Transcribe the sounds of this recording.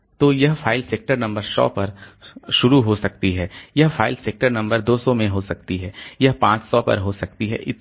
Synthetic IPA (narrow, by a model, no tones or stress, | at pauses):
t̪oːjɐɦfʰaːɪlseːk̚ʈəɾnɐ̃mbəɾsɔ̰ːpɐɾʃʊɾuɦosɐk̚t̪iɦɛːjɐɦfʰaːɪlseːk̚ʈəɾnɐ̃mbəɾd̪oːsɔmẽɦoːsɐkt̪iɦɛːjɐɦpãːt͡ʃsɔːpɐ̰ɾɦoːsɐk̚t̪iɦɛ̰ːʔɪ